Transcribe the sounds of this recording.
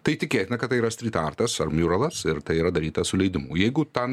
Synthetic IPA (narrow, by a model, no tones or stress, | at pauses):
t̪ɐɪtʲɪkʲeːt̪ʲɪnɐkɐt̪tːɐɪiːɾɐsʲt̪ʲɾʲiːt̪ɑːrt̪ɐsɐrmʲuːɾɐlˠɐsɪɾt̪ɐɪiɾɐd̪ɐɾʲiːt̪ɐsʊlʲɛɪd̪ʲɪmuːjɛɪɡʊt̪ɐn